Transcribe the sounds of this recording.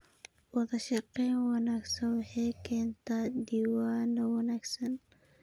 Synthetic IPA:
wɑðɐʃɑqɛjnwɑnaːɡsɐnwɑħɑjkʰɛːnt̪ʰaːd̪iwaːnɐwɐnaːɡsɐn

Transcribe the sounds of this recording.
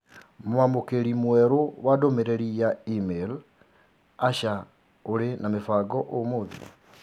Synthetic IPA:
mwamokeɾimwɛɾowadomeɾeɾijaimel | aʃa | oɾenamefaɡɔʔomoðḭ

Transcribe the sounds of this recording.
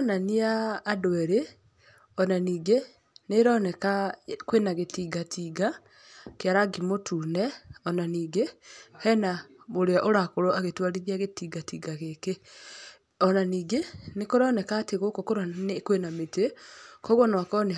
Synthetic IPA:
ɔnaniaːdwɛɾe | ɔnaniːɡe | neɾɔːnɛkakwenaɣetiːɡatʰiɡa | keaɾaɡimotʰuːnɛɔnaniːɡehɛnamoɾeaʔoɾakoɾoaɣetwaɾiðiaɣetiːɡatiɡaɣeke | ɔnaniːɡenekoɾɔːnɛkaːteɣokokoɾanekwenametekɔɣɔnwakɔne

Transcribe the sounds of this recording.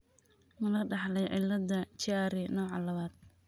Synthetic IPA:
mɐlɐɖɑħlɛjʕɪlːɐdɐt͡ʃaːɾɪnɔːʕɑlɐβaːd̪̚

